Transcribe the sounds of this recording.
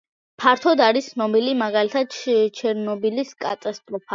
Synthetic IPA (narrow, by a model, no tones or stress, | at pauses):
pʰaɾt̪ʰɔd̪aɾist̪ːnɔbilimaɡalit̪ʰad̪̚t͡ʃʰɛɾnɔbiliskʼat̪ʼast̪ʼɾɔpʰa